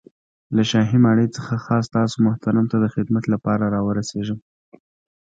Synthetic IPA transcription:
laʃɑɦimɑɽəjt͡səxaxɑs̬t̪ɑsomʊht̪aɾamt̪ad̪əxɪd̪mat̪lapɑɾaɾɑwəɾaseʒəm

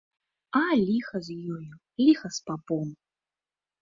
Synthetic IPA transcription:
alʲixɐzʲjɔju | lʲixɐspapɔm

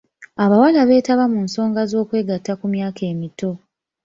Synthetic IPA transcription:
aβawalaβe̞ːtaβamunso̞ːŋɡazo̞ːkwe̞ːɡatːakumjaːke̞ːmito̞

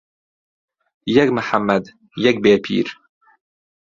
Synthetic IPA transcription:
jakmaħamːad̪ | jak̚beːpʰḭːɾ

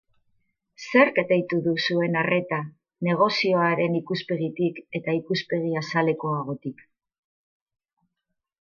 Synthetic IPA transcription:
se̞ɾke̞t̪ejt̪uðusue̞nare̞t̪a | ne̞ɣ̞o̞sio̞aɾe̞nikuspe̞ɣit̪ike̞t̪aikuspe̞ɣiasale̞ko̞aɣ̞o̞t̪ik

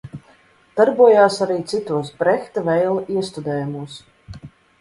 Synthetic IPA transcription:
d̪̥aɾbuɔjaːsaɾiːt̪sit̪uɔspɾɛxt̪avɛjlˠiɛst̪ud̪ɛːjumuɔs

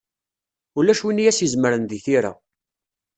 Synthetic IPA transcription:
ulæʃwinijæsizməɾənðiθiɾa̰

